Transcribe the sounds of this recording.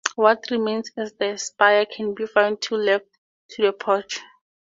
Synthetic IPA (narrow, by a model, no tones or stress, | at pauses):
wɔtʰrimẽnsɛsdɛspajakʰɛ̃nbifãw̃nd̚tʰulɛft | tʰːudɛpʰɔt͡ʃʰ